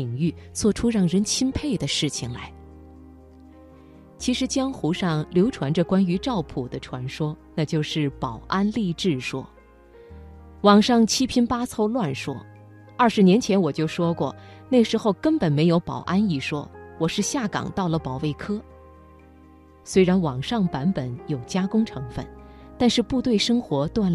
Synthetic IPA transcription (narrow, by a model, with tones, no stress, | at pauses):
ŋy˥˩t͡swɔ˥˩ʈ͡ʂʰu˥ɻɑ˥˩ŋɻə˧˥nt͡ɕʰi˥npʰe˥˩ɪd̪ə˩ʂɻ̩˥˩t͡ɕʰi˩ŋla˧˥ɪ | t͡ɕʰi˧˥ʂɻ̩˧˥t͡ɕjɑ˥ŋxu˧˥ʂɑ˥˩ŋljo˧˥ʊʈ͡ʂʰwa˧˥nʈ͡ʂə˧kwa˥ny˧˥ʈ͡ʂɑ˥˩ʊpʰu˨˩d̪ə˦ʈ͡ʂʰwa˧˥nʂwɔ˥na˥˧t͡ɕjo˥˧ʊʂɻ̩˥˩pɑ˨˩ʊʔa˥nli˥˧ʈ͡ʂɻ̩˥˩ʂwɔ˥ | wɑ˨˩ŋʂɑ˥˩ŋt͡ɕʰi˥pʰi˥npa˥t͡sʰo˥˧ʊlwa˥˩nʂwɔ˥ | ɐ˞˥˩ʂɻ̩˧˥njɛ˧˥nt͡ɕʰjɛ˧˥nwɔ˨˩t͡ɕjo˥˩ʊʂwɔ˥kwɔ̰˥˩ne˥˩ʂɻ̩˧˥xo˥˧ʊkə˥npə˨˩nme˧˥ɪjo˧˥ʊpɑ̰˨˩ʊʔa˥ni˥˩ʂwɔ̰˥wɔ˨˩ʂɻ̩˥˧ɕja˥˩kɑ̰˨˩ŋt̪ɑ˥˩ʊlə˩pɑ˨˩ʊwe˥˩ɪkʰɤ˥ | swe˥ɪɻa˧˥nwɑ˨˩ŋʂɑ˥˩ŋpa˧˥npə˨˥njo˨˩ʊt͡ɕja˥kʊ˥ŋʈ͡ʂʰɤ˧˥ŋfə̰˥˩n | t̪a˥˧nʂɻ̩˥˧pu˥˧t̪we˥˩ɪʂɤ˥ŋxwɔ˧˥t̪wa˥˩n